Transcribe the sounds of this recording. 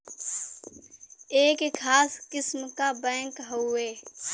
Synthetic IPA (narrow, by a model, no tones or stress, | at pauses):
eːkkʰːaːskɪsmkabɛ̃ːŋkɦoeː